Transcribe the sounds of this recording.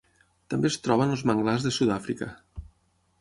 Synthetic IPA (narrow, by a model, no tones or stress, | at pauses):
t̪əmbest̪ɾɔβənəlˠzməŋɡlazðəsuðafɾikə̰